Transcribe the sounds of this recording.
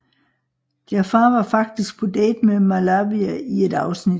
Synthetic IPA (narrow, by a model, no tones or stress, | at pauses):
d̥iæfɑ̈ːʋɑ̈fɑ̈ɡ̥̚d̥isɡ̥̚pʰɒ̽d̥ɛ̰ːd̥memalɑːbiæie̝d̥ɑ̈ʊsnid̥